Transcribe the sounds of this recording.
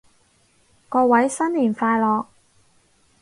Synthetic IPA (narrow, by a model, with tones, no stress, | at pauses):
kɔː˧wɐ˨˥jsɐ˥nliː˨˩nfaː˧jlɔː˨k̚